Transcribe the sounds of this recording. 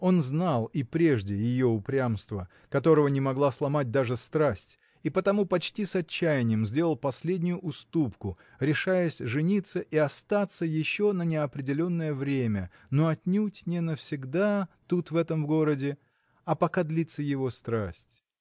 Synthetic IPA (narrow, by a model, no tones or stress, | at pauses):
o̞nznalˠipɾʲe̞ʐdʲɪjɪjoʊpɾʲamst̪və | kɐt̪o̞ɾəvənʲɪmɐɡlˠaslˠɐmad̚ʲd̪aʐɨst̪ɾasʲtʲ | ipət̪ɐmupɐt͡ɕtʲisɐt͡ɕːæjɪnʲɪjəmzʲdʲe̞lˠəlˠpɐsʲlʲedʲnʲʊjʊʔʊst̪upkʊ | ɾʲɪʂajəsʲʐɨnʲit̪sːəʔiɐst̪at̪sːəjɪɕːo̞nənʲɪɐpɾʲɪdʲɪlʲo̞nːəjəvɾʲemʲə | noɐtʲnʲutʲnʲɪnəfsʲɪɡd̪at̪ut̪vɛt̪əmvɡo̞ɾədʲɪ | ɐpɐkad̪lʲit̪sːəjɪvo̞st̪ɾasʲtʲ